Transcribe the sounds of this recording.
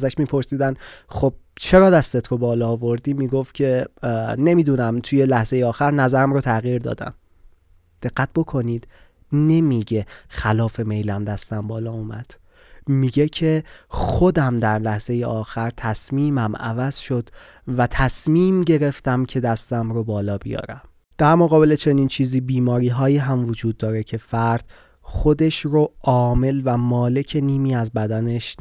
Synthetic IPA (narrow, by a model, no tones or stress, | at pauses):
zæʃmiːpʰo̞ɾsiːd̪ænxob̥̚t͡ʃʰe̞ɾɒːd̪æst̪et̪ʰɾobɒːlɒːvo̞ɾd̪iːmiːɡoft̪cʰe̞ne̞miːd̪uːnæmt̪ʰuje̞læhze̞jeɒːxæɾnæzæɾæmɾot̪ʰæɣiːɾd̪ɒ̰ːd̪æ̰m | d̪̥e̞ɣːæt̪̚bo̞kʰo̞niːd̪̥ | ne̞miɟe̞xælɒːfe̞me̞jlæmd̪æst̪æmbɒːlɒːumæ̰d̪̥ | miɟecʰe̞xo̞d̪æmd̪æɾlæhz̥e̞jeʔɒːxæɾt̪ʰæsmiːmæmæ̰væz̥ʃo̞d̪̥ | væt̪ʰæsmiːmɟe̞ɾe̞ft̪æmcʰe̞d̪æst̪æmɾobɒːlɒːbijɒ̰ːɾæm | d̪̥æɾmoɣɒːbe̞le̞t͡ʃʰe̞niːnt͡ʃʰiːziːbiːmɒːɾiːɦɒːjiːɦæmvod͡ʒuːd̪̚ːɒːɾe̞cʰe̞fæɾd̪̥ | xo̞d̪e̞ʃɾoʔɒːme̞lvæmɒːle̞cʰe̞niːmiːæzbæd̪æne̞ʃ